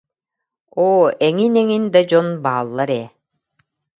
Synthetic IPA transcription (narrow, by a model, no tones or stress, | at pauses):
oːɛŋinɛŋind̪ad͡ʑɔnbaːlˠːaɾɛː